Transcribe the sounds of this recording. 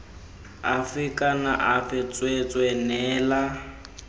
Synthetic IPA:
afikʼanaʔafɛt͡sʼwet͡sʼwɛnɛːla

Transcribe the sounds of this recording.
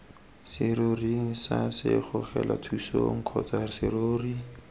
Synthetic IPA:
sɪɾoriŋ̩sasɪχʊχɛlʔatʰusoŋ̩kʰɔtarɪsɪroːri

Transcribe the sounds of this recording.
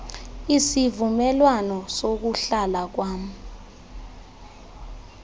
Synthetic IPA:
isivumɛlwanɔsok̬uɬalak̬waːm̩

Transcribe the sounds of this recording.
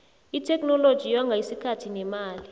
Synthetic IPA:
itʰɛkʼnɔlod̥ʒ̥ʱijɔŋɡʱaisikʰatʰinɛmaːli

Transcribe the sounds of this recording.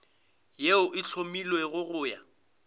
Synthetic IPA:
jeʊʔɪt͡ɬʰomilweɣʊɣʊːja

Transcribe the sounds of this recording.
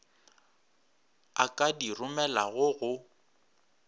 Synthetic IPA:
akʼadirʊmɛlaɣʊɣʊ

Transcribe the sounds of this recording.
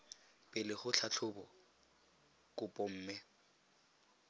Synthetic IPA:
pʼɪlɪχʊt͡ɬʰat͡ɬʰʊbɔ | kʊpʼɔm̩ːmɛ

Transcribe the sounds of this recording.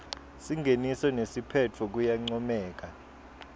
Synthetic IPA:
siŋɡʱenisɔnesipʰɛt͡fʰɔk̬ujaŋ͡ǀɔmɛːk̬a

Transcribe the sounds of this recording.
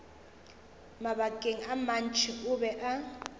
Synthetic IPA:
maβakʼeŋ̩aman̩t͡ʃʰʼɪʊbɛʔa

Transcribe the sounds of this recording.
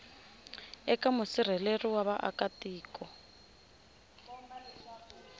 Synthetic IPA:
ɛkamʊsir̤ɛleriwaβaʔa̰katiːkɔ

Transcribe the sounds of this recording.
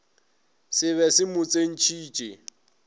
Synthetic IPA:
sɪβɛsɪmʊt͡sʼen̩t͡ʃʰiːt͡ʃʼḛ

